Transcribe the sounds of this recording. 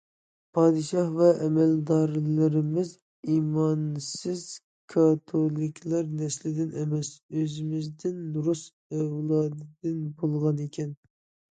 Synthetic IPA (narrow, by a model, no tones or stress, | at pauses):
pʰɑːd̪ɨʃɑhvɛʔɛmɛld̪ɑɾlɪɾɪmɪz | imɑnsɪz̥ | kʰɑt̪ʰolˠɪkʲʰlˠɑɾnɛslɪd̪ɪnɛmɛsøzɪmɪzd̪ɪnːuɾus | ɛvlˠɑːd̪ɨd̪ɪnbolˠʁɑnekʲʰɛn